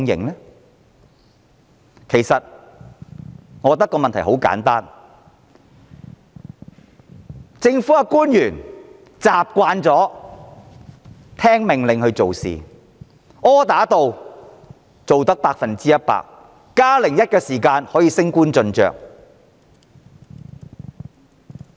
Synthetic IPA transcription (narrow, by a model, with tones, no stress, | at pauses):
ŋjɪ̰˨ŋlɛ˥ | kʰe˨˩jsɐ˨t̚ | ŋɔː˨˧kɔ˧t̪ːɐ˥kːɔː˧mɐ˨nt̪ʰjho˨˥wka̰ː˨˥nt̪aː˥n | t͡sɪ˧ŋfuː˨˥a˧kuː˥njyː˨˩n | t͡saː˨p̚kʷaː˧nt͡sɔː˨˥ | t̪ʰɛː˥ŋmɪ˨ŋlɪ˨ŋhɵ˧t͡so˨wsḭː˨˩ | ɔː˥t̪aː˨˥t̪o˨w | t͡so˨wt̪ɐ˥k̚paː˧k̚fɐ˨nt͡siː˥jɐ˥t̚pa̰ː˧k̚ː | aː˥lɪ˨˩ŋjɐ˥t̚kɛː˧siː˨˩kaː˧nhɔː˨˥jiː˧sɪ˥ŋkuː˥nt͡sɵ˧nt͡ʃœ̰ː˨k̚